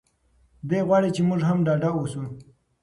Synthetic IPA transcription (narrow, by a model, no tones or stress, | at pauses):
d̪eɣwɑɽet͡ʃemʊʐɦamɖɑɖaosu